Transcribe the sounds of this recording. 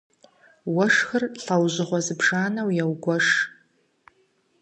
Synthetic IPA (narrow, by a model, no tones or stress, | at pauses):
wɐʂxɨrɬɐwʑɪʁʷɔzɨbʐaːnɐwjɛwɡʷɔʂ